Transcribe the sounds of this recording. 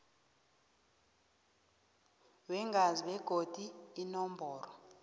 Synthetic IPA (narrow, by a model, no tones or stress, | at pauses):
wɛŋɡʱaziɓɛɡ̥ʱod̥ʱiːnɔmbʱɔːrɔ